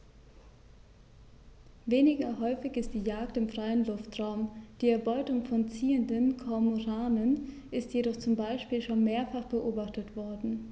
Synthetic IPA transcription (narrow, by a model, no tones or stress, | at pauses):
veːnɪɡɐhɔʏfɪçɪstd̥iːjaːktɪmfʁ̥aɪənlʊftʁ̥aʊmd̥iːɛɐbɔʏtʊŋfɔnt͡siːəndənkʰɔɐmoʁaːnən | ʔɪstjedɔχt͡sʊmbaɪʃpiːlʃoːnmeːɐfaχb̥əʔoːbaχtətv̥ɔɐdn̩